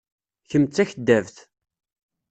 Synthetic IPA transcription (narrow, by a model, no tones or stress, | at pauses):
çəmt͡sːæçəd̪ːævθ